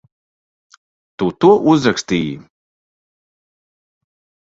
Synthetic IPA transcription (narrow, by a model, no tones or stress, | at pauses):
t̪ut̪uɔʔuzɾakst̪iːjḭ